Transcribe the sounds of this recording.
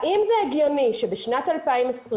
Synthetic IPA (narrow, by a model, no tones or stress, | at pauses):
ʔimzɛeɡjoniʃebeʃnat̪alpaimesʁ